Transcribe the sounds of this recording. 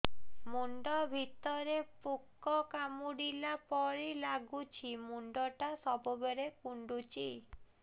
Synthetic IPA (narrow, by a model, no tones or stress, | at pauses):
muɳɖɔbʱit̪ɔɾepukːɔkamuɽilapɔɾilaɡut͡ʃʰimuɳɖɔʈasɔbɔbeɾekuɳɖut͡ʃʰi